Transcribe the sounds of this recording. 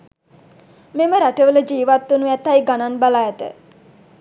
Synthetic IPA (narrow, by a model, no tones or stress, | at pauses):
meməɾaʈəʋələd͡ʒiːʋat̪ːunuɛt̪ːajɡananbalajæt̪ə̰